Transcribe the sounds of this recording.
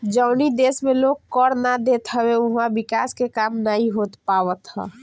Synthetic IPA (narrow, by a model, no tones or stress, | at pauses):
d͡ʒəʊnid̪esmeloɡkəɾnad̪et̪ɦəweuɦãbikaskekamnaɦiɦot̪paʋət̪ɦə̰